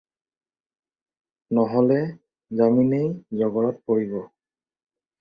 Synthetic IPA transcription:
nɔɦɔlɛ | zaminejzɔɡɔɹɔt̚poɹibɔ

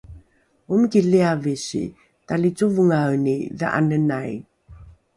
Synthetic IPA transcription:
umkiliaviɕḭ | talit͡suvəŋawniðə̰ʔa̰nənaj

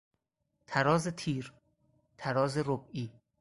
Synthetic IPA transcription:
t̪ʰæɾɒːzet̪ʰiːɾ | t̪ʰæɾɒːzeɾobiː

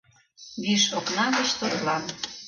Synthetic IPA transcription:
βiʃoknɑɣə̆ʃt̪oɾlɑn

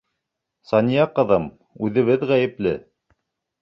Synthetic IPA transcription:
sɑnʲijɑqɤ̆ðɤm | ʉðɘ̆βɘðʁæjɘ̆plɘ

